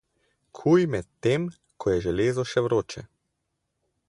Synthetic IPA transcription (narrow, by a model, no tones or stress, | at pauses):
kʰujmɛt̪ːem | kʰɔjɛʒɛleːzɔʃɛʋɾoːt͡ʃɛ̰